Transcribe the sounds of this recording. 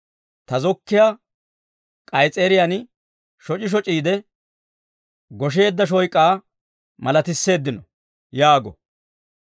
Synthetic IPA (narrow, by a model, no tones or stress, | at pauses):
t̪ɐzɔkːɪja | kʼɐjt͡sʼeːɾɪjan | ʃɔt͡ʃʼɪʃ̬ɔt͡ʃʼiːd̪ɛ | ɡɔʃ̬e̞ːd̪ːɐʃ̬ɔjkʼːaː | mɐlɐt̪ɪsːe̞ːd̪ːɪnɔ | jaːɡɔ